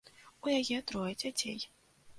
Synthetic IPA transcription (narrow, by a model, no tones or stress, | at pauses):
ujajɛt̪ɾɔjɛd͡zʲat͡sʲḛj